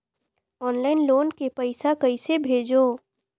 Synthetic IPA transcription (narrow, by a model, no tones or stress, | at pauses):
ɔːnlaːɪnloːnkepəɪsakəɪsebʱeːd͡ʒo